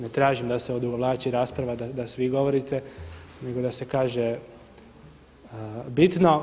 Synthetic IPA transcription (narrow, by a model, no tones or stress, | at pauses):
net̪ɾaːʒimd̪aseod̪uɡoʋlˠaːt͡ʃiɾaːspɾaʋad̪ad̪asʋiɡo̞ʋo̞ɾit̪ene̞ɡod̪ase̞kaːʒe | bit̪no̞